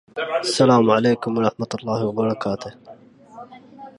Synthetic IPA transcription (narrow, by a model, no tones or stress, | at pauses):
ʔasːalaːmʕaleːkʊmwɑɾˤɑħmat̪ʊlˤːɑːhwɑbɑɾˤɑkaːt̪ʊh